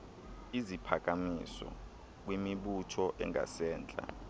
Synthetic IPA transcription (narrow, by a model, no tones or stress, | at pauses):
izipʰak̬ʼamḭsɔ̰ | k̬wimiɓutʰɔʔɛ̰ŋa̰sɛːnd͡ɮʼa̰